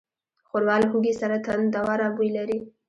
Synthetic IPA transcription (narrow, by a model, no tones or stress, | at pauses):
xoɾwɑlɦuɡisaɾat̪and̪awɑɾɑɡujlaɾi